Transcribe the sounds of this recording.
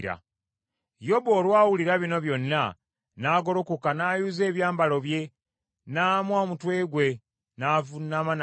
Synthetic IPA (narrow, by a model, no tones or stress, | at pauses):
ɾa̰ | jo̞bo̞ːlwaːwuliɾaβino̞βjo̞nːa | naːɡo̞ɾokukanajuze̞ːβjaːmbalo̞βje̞ | naːmwamutwe̞ːɡwe̞ | naːvunːaman